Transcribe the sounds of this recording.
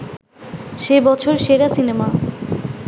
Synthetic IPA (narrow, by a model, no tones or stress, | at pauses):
ʃebɔt͡ɕʰoɾʃeɾasinema